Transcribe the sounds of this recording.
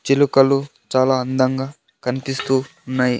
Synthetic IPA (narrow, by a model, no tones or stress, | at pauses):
t͡ʃilukɐlu | t͡ʃaːlaːɐnd̪ɐŋɡaː | kɐnipist̪uːnːaːji